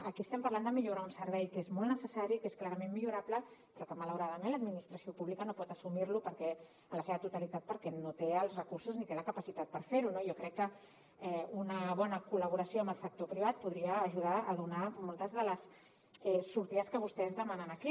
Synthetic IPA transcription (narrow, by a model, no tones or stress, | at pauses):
əkiəst̪ɛmpɐɾland̪əmiʎuɾaunsəɾβɛjkezmolˠnəsəsaɾikesklaɾəmenmiʎuɾapləpɾɔkəmələwɾaðəmẽnləd̪minist̪ɾəsiopuβlikənopɔt̪əsumiɾlupəɾkɛ | ələseβət̪ut̪alit̪at̪̚pəɾkɛnot̪eəlˠzrəkuɾsuznit̪eləkəpasit̪at̪̚pəɾfeɾunojokɾɛkːə | ɛunəβɔnəkuləβ̞uɾəsioɐmbəlˠsək̚t̪opɾiβ̞at̪̚puðɾiəːʒuð̞aəðunamɔlˠt̪əzðələs | ɛsːuɾt̪iəskəβust̪ɛzðəmanənəki